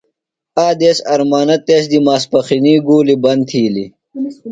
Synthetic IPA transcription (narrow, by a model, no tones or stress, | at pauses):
aːd̪eːsɐɾmaːnɐt̪eːs̬d̪imaːspɐxiniːɡuːlibɐnt̪ʰiːli